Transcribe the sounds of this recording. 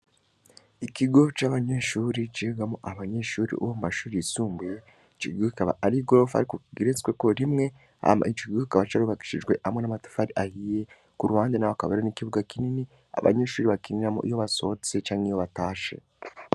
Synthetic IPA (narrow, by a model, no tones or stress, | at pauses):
ikiɡo̞t͡ʃaβaɲe̞ʃuːɾit͡ʃiɡamoʔaβaɲe̞ʃuːɾḭʔuwomumaʃuːɾiisuːmbuje | t͡ʃikiɡukikaβa̰aɾiɡoɾofa̰ɾikukiɡiɾet͡sweko̞ɾimŋe̞ | a̰it͡ʃokiɡukikaβat͡ʃaɾuβaki̥ʃiʒɡwe̞ʔhamŋe̞namati̥faɾiʔahije̞ | kuɾuhaːndenaβakaβeɾenikiβuɡakinini | a̰βa̰ɲe̞ːʃuːɾiβakiniɾamo̰ʔḭjoβaso̞ːt͡set͡ʃaːŋijo̞βataːʃe̞̰